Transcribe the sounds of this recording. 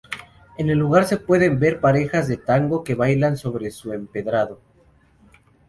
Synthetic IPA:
e̞ne̞lːuɣaɾse̞pwe̞ðembe̞ɾpaɾe̞xazðe̞t̪aŋɡo̞ke̞βajlanso̞βɾe̞sue̞mpe̞ðɾaðo̞

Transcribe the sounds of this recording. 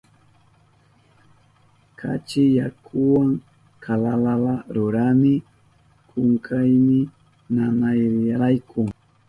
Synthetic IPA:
kʰa̰t͡ʃɪjakʰʊwaŋ | kʰalalalaɾʊɾamɪ | kʰʊŋkʰajmɪ | nanajɾaɾajkʰʊŋ

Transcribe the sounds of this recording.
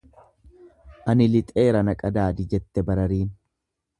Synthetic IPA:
ʔɐnɪlɪt̪ʼeːɾɐnɐkʼɐd̪aːd̪ɪd͡ʒɛt̪ːɛbɐɾɐɾiːn

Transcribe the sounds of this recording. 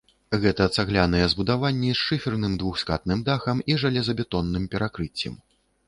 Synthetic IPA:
ɣɛt̪ɐt̪saɣlʲanɐjɛzbud̪avanʲːɛsʂɨfʲirnɨmd̪vuxska̰t̪nɨmd̪axɐmiʐalʲɛzɐbʲɛt̪ɔnːɨmpʲɛɾakɾɨt͡sʲːɛ̰m

